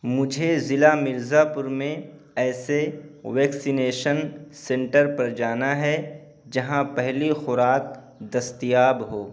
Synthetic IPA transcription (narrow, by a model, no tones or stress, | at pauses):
mʊd͡ʒʱezɪlamɪɾzapʊɾmẽ | ɛːseʋɛːksineːʃənsɛ̃ɳʈəɾpɐɾd͡ʒaːnaɦɛ | d͡ʒɐɦãpɛɦlixʊɾaːk̚ | d̪ɐst̪ijaːbɦoː